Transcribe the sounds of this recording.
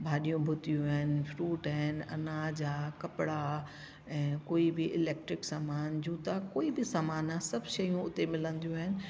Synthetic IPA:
bʱaːɗijũbʱʊt̪ijũaɦɪnɪ̆fɾuːʈɦɪnɐ̰naːd͡ʑakɐpɪɽa | ɛ̃ːkoːibɪʔɪlɛːk̚ʈɾɪksaːmaːnd͡ʑuːt̪akoːibɪsaːmaːnãsɐbʱʃɐjũʊt̪emɪlə̃nd̪ijũaːɦɪnɪ̆

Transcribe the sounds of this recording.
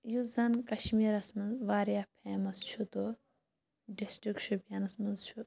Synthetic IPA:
juzɐnkɐʃmiːɾɐsmɐnzʋaːɾijapʰeːmɐst͡ʃʰut̪o | ɖisʈɾikʃʰubjɐnɐsmɐnzt͡ʃʰu

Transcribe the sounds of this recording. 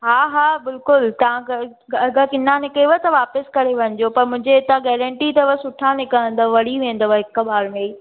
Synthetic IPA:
ɦaːɦaːbɪlkʊlt̪ɐʋ̤ãk | ɐɡʱəkɪnãnɪkeʋət̪ɐʋaːpəskɐɾeʋɐɲɪ̆d͡ʑopɐɾmʊ̃ɦɪ̃ɲd͡ʑeɪt̪ãɡɛːɾə̃ɳʈit̪ɐʋəsʊʈʰanekɐə̃nd̪əʋɐɽiʋẽːnd̪əʋɐɦɪkbaːɾme

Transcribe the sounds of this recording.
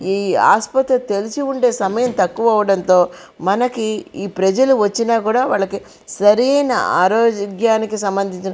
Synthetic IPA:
iːa̰ːspɐt̪ɾɐt̪e̞lisiuɳɖe̞ːsɐmɐjɐnt̪ɐkːuʋɐɐʋɐɽɐnt̪o̞ː | mɐnɐkiiːpɾɐd͡ʒɐluʋɐt͡ʃːinaːkuːɽaːʋaːɭːɐki | sɐɾiɐjnɐ̰ʔaːɾoːd͡ʒɡjaːnikisɐmbɐnd̪ʱiɲt͡ʃɐnɐ

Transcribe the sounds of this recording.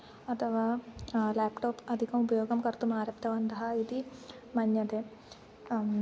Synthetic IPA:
ɐt̪ʰɐʋaːlaːpʈoːpɐd̪ʱikɐmupɐjoːɡɐmkɐrt̪umaːɾɐpt̪ʰɐʋɐnt̪ɐɦɐid̪i | mɐɲːɐd̪e

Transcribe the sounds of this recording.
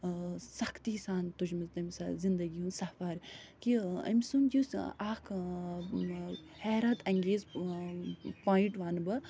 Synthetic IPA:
sɐkʰt̪isaːnt̪ud͡ʒmɐzt̪ɐmʲsa̰zind̪ɐɡiũnsɐfɐɾkiɐ̰mʲsumd͡ʒusaːkʰ | hɛːɾɐt̪ɐŋɡeːz | paːiʈʋɐnbɐ

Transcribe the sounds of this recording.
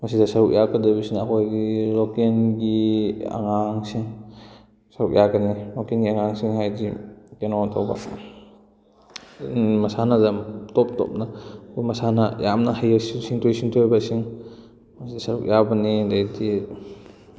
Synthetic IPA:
mɐsidasɐɾuk̚jakɐdabisiŋɐkʰojɡilokenɡia̰ŋaŋsiŋ | sɐɾuk̚jʔakɐnilokenɡiaŋaŋsiŋɦajzikenoatʰawba̰ | mɐsanazamtɔp̚tɔ̰p̚nakʰojmɐsanajamnɐhajasisiŋtʰojsiŋtʰojbasiŋ | mɐsidasɐɾuk̚jabɐnidajti

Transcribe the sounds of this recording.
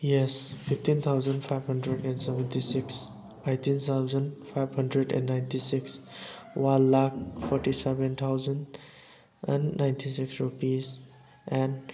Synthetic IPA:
jɛspʰiptint̪ʰawzənpʰajbɦəndɾedɛ̃nsɛbɛ̃ntisiks | ejtint̪ʰawzənpʰajbhʌndɾedɛ̰̃nːajntʰisikswanlak̚pʰɔɾʈisɛbẽnt̪ʰawzən | ɛ̰nːajntʰisiksɹupiz | ɛ̃n

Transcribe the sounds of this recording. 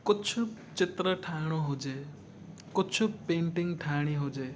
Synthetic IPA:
kʊtt͡ʃʰu | t͡ʃit̪ɾʌʈʰaɽ̃ɔɦod͡ʒe | kʊtːt͡ʃʰupeɳʈiŋʈʰaɽ̃iɦod͡ʒe

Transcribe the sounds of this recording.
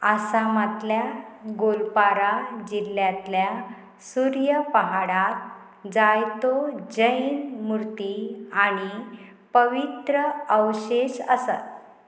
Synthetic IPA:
asamat̪ljaɡolpaɾad͡ʑilːjat̪lja | suɾjəpəɦaɽat̪̚ | d͡zajt̪od͡ʑəinmuɾt̪iaɽ̃ipəʋit̪ɾəəwɕeɕəsat̪̚

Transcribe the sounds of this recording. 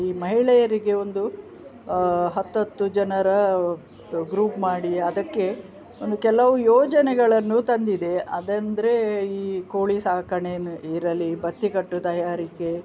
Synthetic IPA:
iːmɐɦiɭɛjɐɾiɡe̞o̞nd̪u | ɦɐt̪ːɐt̪ːud͡ʒɐnɐɾɐ | ɡɾuːpmaːɽiɐd̪ɐkːe̞ | ond̪ukɛlɐʋujɔːd͡ʒɐnɛɡɐɭɐnːut̪ɐnd̪id̪e̞ɐd̪ɐnd̪ɐɾe̞iːkoːɭisaːkɐɳeːniɾɐlːibɐt̪ːikɐʈːut̪ɐjaːɾike̞

